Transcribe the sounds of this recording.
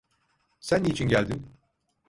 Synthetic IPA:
sænːit͡ʃʰinɟælʲd̪im

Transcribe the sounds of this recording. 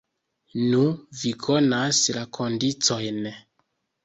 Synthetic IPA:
nuvikʰɔnaslakʰondit͡sojnɛ

